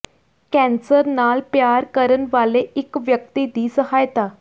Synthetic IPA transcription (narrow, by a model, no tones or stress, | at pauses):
kɛ̃nsəɾnaːlpjaːɾkəɾənʋaːleɪkʋjək̚t̪id̪iːsəɦajt̪aː